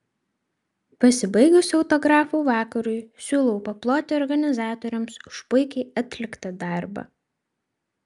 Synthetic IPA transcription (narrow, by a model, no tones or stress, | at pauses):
pɐsʲɪbɐɪɡʊsʲɒʊt̪ɔɡɾɑːfuːʋɑːkɐɾʊjsʲuːlˠɐʊpɐplˠoːt̪ʲeɔɾɡɐnʲɪzɑːt̪ɔɾʲɛmsʊʃpʊɪkʲɛɪɐt̪ʲlʲɪkt̪ɐd̪ɑˑɾbɐ̰